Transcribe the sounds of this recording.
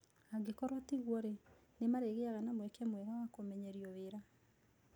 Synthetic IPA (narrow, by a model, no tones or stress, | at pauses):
aɡekɔɾwatiɣwɔɾe | nemaɾeɣeaɣanamwɛkɛmwɛɾawakomɛɲɛɾiɔweɾa